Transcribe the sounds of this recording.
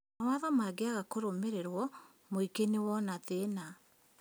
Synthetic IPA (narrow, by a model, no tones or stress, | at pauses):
awaðamaɡeaɣakoɾomeɾeɾwɔ | moikenewɔnatena